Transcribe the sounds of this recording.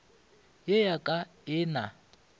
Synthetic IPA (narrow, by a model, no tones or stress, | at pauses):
jejakʼaɪːna